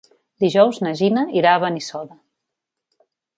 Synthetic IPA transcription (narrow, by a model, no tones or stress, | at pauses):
d̪iʒɔwznəʒinəiɾaβənisɔðə